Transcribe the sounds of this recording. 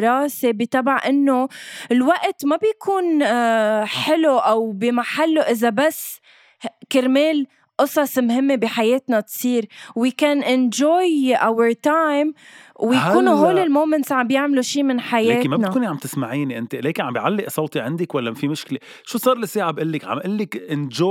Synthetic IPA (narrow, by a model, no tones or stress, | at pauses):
ɾˤɑːsebit̪abaʕʔɪnːolwaʔt̪mabjkʰuːn | ħɪluʔawbimaħalːoʔɪzabasː | kɪɾmeːl | ʔɨsˤɑsˤmhɪmːebiħajeːt̪nat̪sˤiːɾwɪkanʔɪnd͡ʒoːjʔawəɾt̪ajmwjahkuːnuɦoːlɪlmoːmɛnt̪sʕambjɪʕmluʃiːmɪnħajeeːɪnmabɪnakuːniʕambt̪ɪsmaʕiːniʔɪnt̪eleːkɪnʕambjʕalːɪʔsˤɑwt̪iʕɪnd̪ɪkwalːamafimʊʃkle | ʃuːsˤɑːɾˤlɪsiːʕabʔɪlːɪkʕa̰mʔɪlːɪkʔɪnd͡ʒo